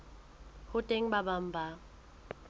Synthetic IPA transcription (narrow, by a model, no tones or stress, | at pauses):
hʊtʼeŋ̩babam̩ba